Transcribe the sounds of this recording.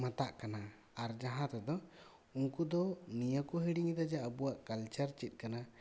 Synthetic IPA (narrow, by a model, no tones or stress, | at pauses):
mat̪aʔkana | aɾd͡ʒaɦãt̪ɛd̪ɔ | unkud̪ɔnijəkuɦiɽiŋd̪ad͡ʒaːbuwaʔkalt͡ʃaɾt͡ʃit̪̚ˀkana